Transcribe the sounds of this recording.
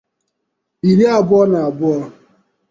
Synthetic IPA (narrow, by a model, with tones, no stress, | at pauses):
i˨ɾi˦a˨bʊ˦ɔ˦na˨a˨bʊ˦ɔ˦